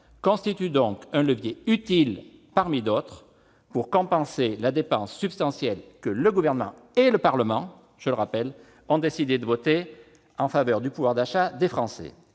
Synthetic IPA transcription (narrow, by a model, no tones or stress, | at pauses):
kɔ̃st̪it̪yd̪ɔ̃kɛ̃ləvjeyt̪il | paʁmid̪ɔt̪χ | puʁkɔ̃pɑ̃selad̪epɑ̃sːypst̪ɑ̃sjɛlkələɡuvɛʁnəmɑ̰̃ | eləpaʁləmɑ̃ | ʒ̥ələʁapɛl | ɔ̃d̪esid̪ed̪əvɔt̪e | ɑ̃favœʁd̪ypuvwaʁd̪aʃad̪efχɑ̃sɛ̰